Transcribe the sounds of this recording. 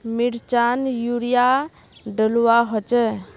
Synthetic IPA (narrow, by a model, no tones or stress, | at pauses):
miɾt͡ʃanjuɾija | ɖəluwaɦɔt͡ʃɛ